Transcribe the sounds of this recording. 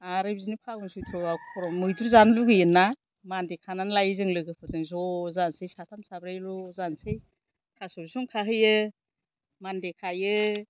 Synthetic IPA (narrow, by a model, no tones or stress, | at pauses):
aɾɯjbizinipʰakɯnsɯjtʰɾɔbakʰɔɾɔmɯjduɾzanluɡɯjɯnːa | mandekʰananlajɯzɯŋlɯɡɯpʰɔzɯŋzɔzansɯjsatʰamsabɾajlɔzansɯj | kʰasɔɾisuŋkʰaɦɯjɯ | mandekʰajɯ